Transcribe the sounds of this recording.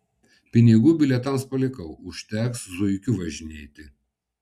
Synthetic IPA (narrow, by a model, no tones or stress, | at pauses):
pʲɪnʲɪɡuːbʲɪlʲɛt̪ɐmspɐlʲɪkɐʊʊʃʲt̪ʲæːkszʊjkʲʊʋɐʒʲɪnʲeːt̪ʲɪ